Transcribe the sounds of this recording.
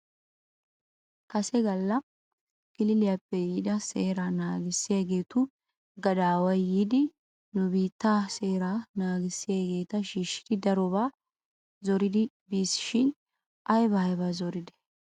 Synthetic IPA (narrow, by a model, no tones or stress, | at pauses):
kɐsɛɡɐlːɐ | ɡ̥ɪlɪlɪjapːɛjiːd̪ɐseːɾaːnaːɡɪsːɪjaɡe̞ːt̪ʊ | ɡɐd̪aːwɐjːiːd̪ɪ | nʊbiːt̪ːaːseːɾaːnaːɡɪsːɪjaɡe̞ːt̪ɐʃiːʃːɪ̥d̪ɪd̪ɐɾɔbaː | zɔɾɪd̪ɪ | biːsɪ̥ʃɪn | ʔɐjbɐhɐjbaːzɔɾɪd̪ɛ̥